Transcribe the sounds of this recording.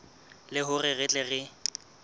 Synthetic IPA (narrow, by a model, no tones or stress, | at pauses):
lɪɦʊrɪɣɪt͡ɬʼɛɣɪ